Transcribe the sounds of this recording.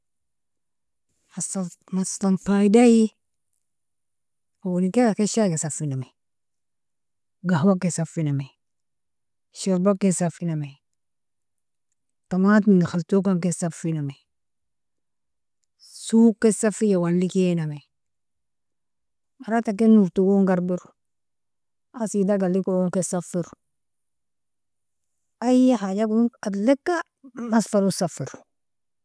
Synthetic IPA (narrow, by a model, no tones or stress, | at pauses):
asamaslanfaidaji | awonikekakeʃakesafiname | ɡawakːesafiname | ʃiɾbakːesafiname | tamatmiŋɡixaltokaŋkesafiname | suːkːesafijawalːikename | maɾatak̬enːuɾtuɡoŋɡaɾbiɾ | asidaɡalikoŋkesafiɾ | ajahad͡ʒaɡatlekːa | masfalusafiɾ